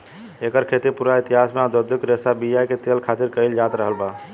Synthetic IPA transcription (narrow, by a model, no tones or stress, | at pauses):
ekəɾkʰet̪iɾpuɾait̪iɦasmead̪əd̪ʱukɾesabijajket̪elkʰat̪iɾkəɪld͡ʒat̪ɾəɦəlba